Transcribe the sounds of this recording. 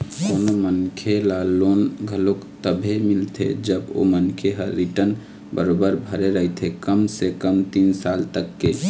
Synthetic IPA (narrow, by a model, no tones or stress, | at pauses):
konomənkʰelalonɡʱəlokt̪əbʱemilt̪ʰḛd͡ʒəbo̰mənkʰeɦəɾːiʈən | bəɾobəɾbʱəɾeɾəɦt̪ʰekəmsekəmt̪insalt̪əkːe